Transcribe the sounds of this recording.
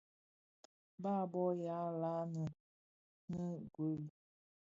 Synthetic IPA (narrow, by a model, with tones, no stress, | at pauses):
baː˦bɔ˦ja˨˦la˦nə˨ | nə˦ɡwə˨˦l